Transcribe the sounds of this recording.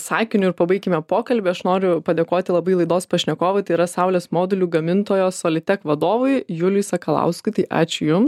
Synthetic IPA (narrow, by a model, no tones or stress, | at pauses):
sɑːkʲɪnʲʊɪɾpɐbɐɪkʲɪmʲɛpoːkɐlʲbʲeːɐʃnoːɾʲʊpɐd̪ʲeːkoːt̪ʲɪlˠɐbɐɪlˠɐɪd̪oːspɐʃʲnʲɛkoːʋɐɪt̪ɐɪiɾɐsɑʊlʲeːsmoːd̪ʲɛlʲuːɡɐmʲɪnt̪oːjoːsoːlʲɪt̪ʲɛkʋɐd̪oːʋʊɪjʊlʲʊsɐkɐlˠɐ̰ʊskʊɪt̪ɐɪʔɑ̰ːt͡ʃʲʊjʊms